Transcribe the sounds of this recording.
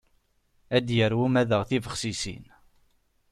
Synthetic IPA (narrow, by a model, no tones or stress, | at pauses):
æd̪jəɾwumæðəʁθivəχsisḭn